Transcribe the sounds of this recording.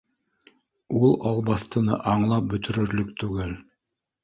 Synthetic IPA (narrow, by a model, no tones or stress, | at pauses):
ulˠɑlˠβɑθt̪ɤ̆nɤ̰ʔɑɴlˠɑp̚bɵ̆t̪ɘ̆ɾɵ̆ɾlɵk̚t̪ʉɡɘl